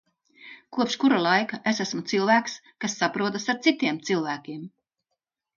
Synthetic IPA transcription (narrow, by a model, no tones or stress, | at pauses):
kuɔpʃkuɾalˠajkaʔesæsmut̪silˠvæːks | kasːapɾuɔt̪asaɾt̪sit̪iɛmt̪silˠvæːkʲiɛm